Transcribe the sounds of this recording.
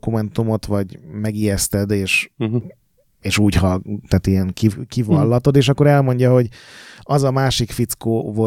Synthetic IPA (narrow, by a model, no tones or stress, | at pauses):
kumɛnt̪umo̞t̪ʋɒɟmɛɡijɛst̪ɛd̪eːʃ | eːʃuːɟɦɒt̪aːt̪ijɛŋkikivɒlːɒt̪o̞d̪eːʃɒkːoɾɛlmo̞ɲɟɒɦo̞ɟɒzɒmaːʃikfit̪skoːvo